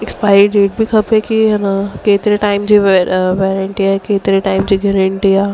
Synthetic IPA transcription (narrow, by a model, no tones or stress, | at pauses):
ɪkspaːɪeɖeːʈ̚bʱikʰɐpekiɦɐnakeːt̪ɪɾeʈaːɪmd͡ʑiʋɛːɾəɳʈiaːɦekeːt̪ɾeʈaːɪmd͡ʑiːɡeɾəɳʈiaː